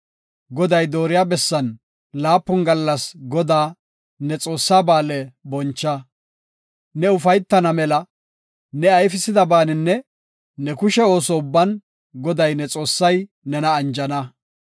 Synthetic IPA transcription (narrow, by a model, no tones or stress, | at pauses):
ɡɔd̪ɐjd̪o̞ːɾɪjaːbɛsːɐn | laːpːʊnɡɐlːɐsɡɔd̪aː | nɛt͡sʼo̞ːsːaːbaːlɛbɔnt͡ʃːɐ | nɛʊfɐjt̪ːɐnɐmɛlɐ | nɛɐjfɪsɪd̪ɐbaːnɪnːɛ | nɛkʊʃɛo̞ːsɔʊbːɐn | ɡɔd̪ɐjnɛt͡sʼo̞ːsːɐj | nɛnɐːnd͡ʒɐnɐ